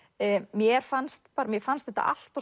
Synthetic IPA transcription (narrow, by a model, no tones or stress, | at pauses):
mjɛɾ̥fanst̪paːɾamjɛfanst̪θɛt̪a̰ʔa̰l̥t̪a